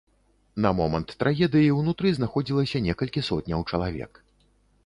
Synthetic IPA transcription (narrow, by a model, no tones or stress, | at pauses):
nɐmɔmɐnt̪ːɾʔaɣʲɛd̪ɨjiwnut̪ɾɨznaxɔd͡zʲilˠɐsʲɐnʲɛkɐlʲkʲisɔt̪ʲnʲɐwt͡ʂɐlˠavʲɛ̰k